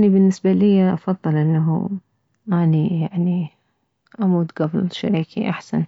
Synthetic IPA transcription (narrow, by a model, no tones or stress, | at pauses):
nibɪnːɪsbalɪjːaʔɑfɑðˤːɨlʔɪnːaɦṵ | ʔaːnijaʕni | ʔamuːd̪ɡɑblʃa̰ɾiːkḭʔaħsan